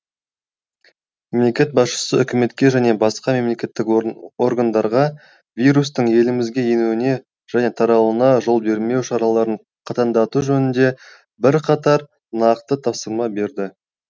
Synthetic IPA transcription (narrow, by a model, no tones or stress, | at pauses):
me̞mle̞kʲe̞t̪̚bɑsʃə̥səʏkʲɪme̞t̪kʲe̞ʒæne̞bɑsqɑme̞mle̞kʲe̞t̪ːɪko̞ɾɡand̪ɑɾʁɑ | vʲijɾus̬t̪əɴje̞lɪmɪzɡʲe̞je̞nuwɪne̞ | ʒ̥æne̞t̪ʰɑɾɑwənɑʒo̞lˠbe̞ɾme̞wʃɑɾɑlˠɑɾəɴ | qʰɑt̪ɑnd̪ɑt̪uʒɵnɪnd̪e̞ | bɪɾqʰɑt̪ɑɾ | nɑqt̪ət̪ʰɑpsəɾmɑbe̞ɾd̪ɪ